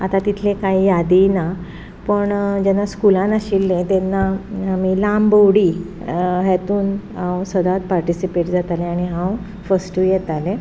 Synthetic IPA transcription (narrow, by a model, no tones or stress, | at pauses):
at̪at̪it̪ʰlẽkaɦijad̪ina | pəɳd͡ʑɛnːaskulãnaɕilːẽt̪ɛnːaamilambowɽiː | ɦɛt̪uːnɦãwsəd̪at̪̚paɾʈisipeʈd͡zat̪aleaɽ̃iɦãw | fəsʈujɛt̪alẽ